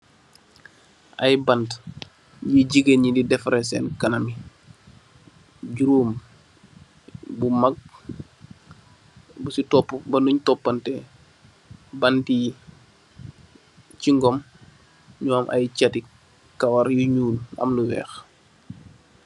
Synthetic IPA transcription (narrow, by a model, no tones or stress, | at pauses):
ʔɐjbɐnt | jiɟiɡenɲindidɛfɾɛs̬ɛnkɐnɐmi | ɟuɾuːm | bumɐɡ̚ | busitɔpːubɐnuɲtɔpːɐntɛ | bɐnti | ciŋɡɔm | ɲɔːmʔɐ̰jcati | kɐwɐɾjuɲuːnɐ̰mnuwɛ̰ːx